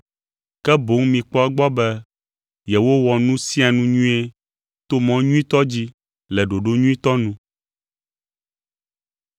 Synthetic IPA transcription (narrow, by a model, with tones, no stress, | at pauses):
kɛ˦bo˨˦ŋmĩ˨k͡pɔ˦ɛ˦ɡ͡bɔ˦bɛ˦ | jɛ˨wo˦wɔ˨nũ˦sĩ˦a˨nũ˦ɲũ˦e˦ | t̪o˦mɔ̃˦ɲũ˦ĩ˦t̪ɔ˦d͡ʑi˦ | lɛ˨ɖo˨ɖo˦ɲũ˦ĩ˦t̪ɔ˦nũ˦